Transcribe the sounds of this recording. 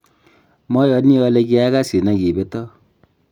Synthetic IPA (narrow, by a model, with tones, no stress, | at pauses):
mɔ˦jɔ˨˦ni˦ɔ˧lɛ˧k̬i˦a˦ka˦si˨na˨ki˨be˨˦tɔ˦